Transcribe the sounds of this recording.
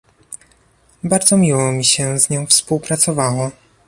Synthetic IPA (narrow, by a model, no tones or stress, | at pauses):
baɾd̪zɔmʲiwɔmʲiɕɛzɲɔ̃w̃fspuwpɾat̪sɔvawɔ